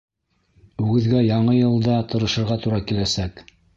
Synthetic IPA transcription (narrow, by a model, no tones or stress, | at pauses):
ʉɡɘ̆ðɡæjɑɴɤjɤ̆lˠd̪ɑt̪ɤ̆ɾɤ̆ʃɤ̆ɾʁɑt̪uɾɑkilæsæk